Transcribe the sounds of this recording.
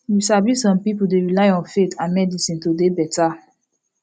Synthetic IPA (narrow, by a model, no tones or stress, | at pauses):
lisablisɔ̃mpipudeɹilajɔ̃nfetʰãmɛdisĩntodebɛta